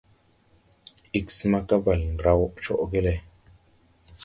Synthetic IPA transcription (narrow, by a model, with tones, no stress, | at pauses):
i˦ksma˦ka˦ba˨lnɾa˦wt͡ʃo˨ʔɡe˦le˧